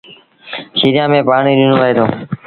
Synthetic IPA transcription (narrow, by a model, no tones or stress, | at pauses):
ʃiːɾɪjãːmẽːpaːɳ̃iːɗɪnoːʋəɦeːt̪oː